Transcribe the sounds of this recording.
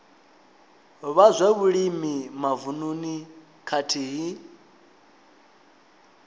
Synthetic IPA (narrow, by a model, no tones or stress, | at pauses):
βazʷɛβuɺimimavununi | kʰatʰiːɦi